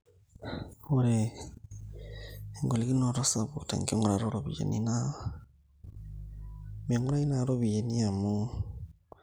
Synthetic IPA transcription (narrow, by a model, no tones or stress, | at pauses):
oɾe | ŋɡoliɡinoɾosabotḛŋkioŋoɾaɾoɾobijḛnina | miaŋoɾajnaɾoβijeniamo